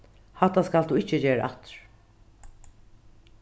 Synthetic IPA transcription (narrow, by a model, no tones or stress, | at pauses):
hat̪ːaskald̪uːɪt͡ʃːəd͡ʒeːɾə̰ʔat̪ɹ̥